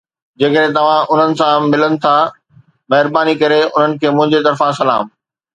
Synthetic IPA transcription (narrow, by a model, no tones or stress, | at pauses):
d͡ʑeːkəɗẽt̪ɐʋ̤ãʔʊn̤ənɪ̆sãmɪlənɪ̆t̪ʰa | mɐɦɪɾbaːnikɐɾeʊn̤ənɪ̆kʰeːmʊ̃ɦɪ̃ɲd͡ʑet̪ɐɾfãsɐla̰ːm